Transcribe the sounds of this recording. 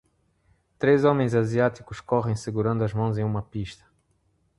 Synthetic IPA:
t̪ɾezɔmẽj̃zaziat̪ikuʃkɔʁẽj̃seɡuɾɐ̃nd̪uɐʒmɐ̃w̃zẽj̃ũmɐpiʃt̪ɐ̥

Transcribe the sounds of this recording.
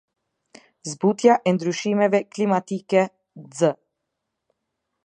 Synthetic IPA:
zbut̪jaʔənd̪ɾuʃimeveklimat̪ike | zə

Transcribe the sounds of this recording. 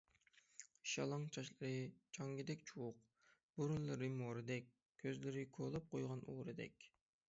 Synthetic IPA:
ʃɑ̰lˠɑŋt͡ʃʰɑʃlˠɨɾɨt͡ʃʰɑŋɡʲid̪ɛkʲt͡ʃʰuwʊq | b̥oɾunlˠɨɾɨmoɾɨd̪ɛk̚ʲ | kʲʰːøzlɪɾɪkʰolˠɑp̚qʰojʁɑnʔuɾɨd̪ɛ̰kʲ

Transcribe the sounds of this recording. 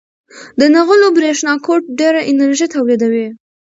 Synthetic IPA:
d̪ənaɣəlobɾeʃnɑkoʈ̚ɖeɾaʔɪnəɾʒit̪awlid̪awi

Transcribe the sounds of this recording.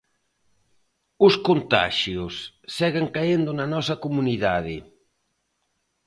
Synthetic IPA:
ʊskont̪a̰ʃjosːɛɣeŋkaend̪ʊnanɔsɐkomuniðaðɪ

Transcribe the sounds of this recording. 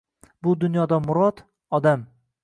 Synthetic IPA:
bʊd̪ʊnjɒd̪amʊɾɒt̪ | ɒd̪am

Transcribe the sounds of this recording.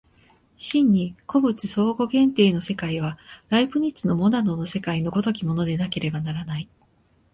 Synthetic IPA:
ɕĩɲ̟ːikʰo̞bɯ̟t͡sɨso̞ːɡo̞ɡẽ̞nt̪e̞ːno̞se̞kaiβ̞aɾaibɯ̟ɲ̟it͡sɨno̞mo̞nano̞no̞se̞kaino̞ɡo̞t̪o̞kʲimo̞no̞d̪e̞nake̞ɾe̞banaɾanai

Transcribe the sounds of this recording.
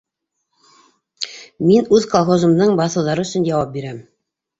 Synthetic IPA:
minʉðkolˠχozɤ̆md̪ɤɴbɑθɤ̆wðɑɾɤɵ̆sɵ̆njɑwɑp̚biɾæm

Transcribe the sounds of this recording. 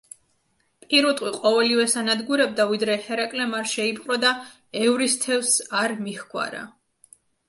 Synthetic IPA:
pʼiɾut̪ʼwiqʼɔvɛlivɛsanad̪ɡuɾɛb̚d̪avid̪ɾɛhɛɾakʼlɛmaɾʃɛipʼqʼɾɔd̪a | ɛvɾist̪ʰɛvsaɾmihɡʰʼwa̰ɾa̰

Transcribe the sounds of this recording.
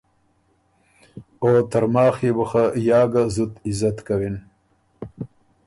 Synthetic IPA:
ot̪ɐɾmɑːxebuxajɑːɡazut̪ɪzat̪kawin

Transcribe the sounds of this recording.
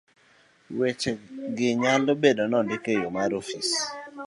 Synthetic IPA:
wet͡ʃeɡɪɲalobedonɔndɪkejomaɾofis

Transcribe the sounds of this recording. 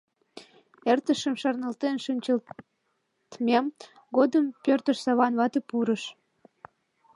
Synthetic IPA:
ert̪əʃəmʃɑrnəlt̪enʃynʲt͡ɕəl | t̪mem | ɣod̪əmpørt̪əʃsɑβɑnβɑt̪əpuɾəʃ

